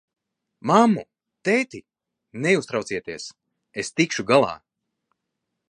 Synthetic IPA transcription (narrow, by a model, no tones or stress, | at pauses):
mamːu | t̪ɛjt̪i | nɛust̪ɾawt̪siɛt̪iɛs | est̪ikʃuɡalˠa̰ː